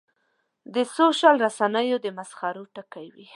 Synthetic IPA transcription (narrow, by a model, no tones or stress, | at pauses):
d̪əsoʃalɾasanəjod̪əmasxɑɾoʈakajwi